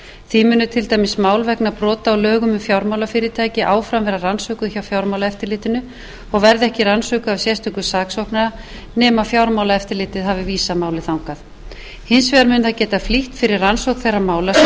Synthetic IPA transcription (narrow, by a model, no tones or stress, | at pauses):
θvimʏːnːʏt̪ʰɪlt̪aːjmɪsmaːwlvɛknapɾɔːt̪aːwlœːɣʏmʏmfjawɾmawlafɪːɾɪt̪ʰaːjcɪʔaːwfɾamvɛɾaransœːkʏðçawfjawɾmawlaɛft̪ɪɾlɪːt̪ɪnʏ | ɔɣvɛɾðɪɛhcɪransœːkʏawsjɛst̪ʏkʏsaːksowhknaða | nɛːmafjawɾmaːwlaɛft̪ɪɾlɪːt̪ɪðɦavɪviːsamaːwlɪθawŋkað | hɪnsvɛðaɾmʏːnθacɛːt̪afliht̪fɪɾɪɾansowkθejrːamaːwlas